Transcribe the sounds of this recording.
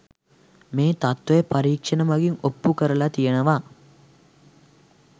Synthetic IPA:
meːt̪at̪ʋɐjepaɾiːkʂɐnəmaɡiŋopːukəɾəlat̪ijənəʋa

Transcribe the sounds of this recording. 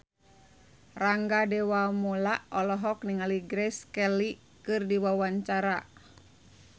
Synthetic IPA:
raŋɡadɛwamɔlaʔʔɔlɔɦɔk̚niŋaliɡɾɛskɛli | kɨrdiwawaɲt͡ʃaɾa

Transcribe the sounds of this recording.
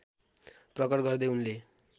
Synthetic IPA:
prʌkʌrɡʌrd̪ʌjunle

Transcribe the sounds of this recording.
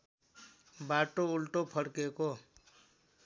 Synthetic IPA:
baʈoulʈopʰʌɽkeko

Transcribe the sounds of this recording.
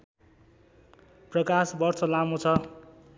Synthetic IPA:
prʌkasbʌrt͡sʰʌlamot͡sʰʌ

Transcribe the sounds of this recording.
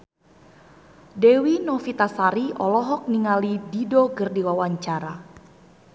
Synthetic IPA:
dɛwinɔfit̪asaɾiʔɔlɔɦɔk̚niŋalididɔɡɨrdiwawaɲt͡ʃaɾa

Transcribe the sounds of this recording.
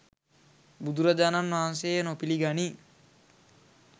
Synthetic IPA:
bud̪uɾad͡ʒananːʋaɦans̬ejnopiliɡani

